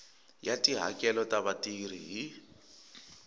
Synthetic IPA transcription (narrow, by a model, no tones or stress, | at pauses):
jatʼiɦa̰kʼɛlɔtʼaβatʼiriɦi